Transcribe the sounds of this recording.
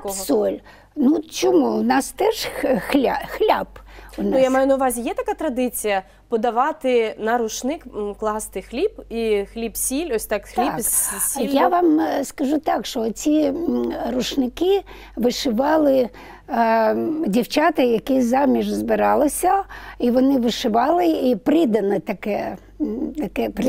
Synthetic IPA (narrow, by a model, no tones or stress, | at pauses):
kɔsɔlʲ | nut͡ʃɔmuʊnɑst̪ɛʒxlʲaxlʲabʊnʊjamajʊnɐʊʋɑzʲijɛt̪ɐkat̪ɾɐd̪ɪt͡sʲijɐ | pɔd̪ɐʋɑt̪ɪnɐɾʊʃnɪkklˠɑst̪ɪxlʲibixlʲipsʲilʲɔsʲt̪ɑkxlʲiksʲjaʋɑmskɐʒut̪ɑkʃt͡ʃɔt͡sʲi | ɾʊʃnɪkɪ | ʋɪʃɪʋɑlˠɪ | dʲiwt͡ʃat̪ɐjɐkɛsʲzɑmʲiʒzbɪɾɑlˠɪsʲɐiʋɔnɪʋɪʃɪʋɑlˠɪipɾɪd̪ɐnɪt̪ɐkɛ | t̪ɐkɛp